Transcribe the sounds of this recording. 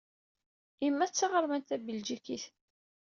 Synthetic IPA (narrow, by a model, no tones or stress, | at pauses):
imːæt͡sːɑʁəɾmænt̪æbəld͡ʒikiθ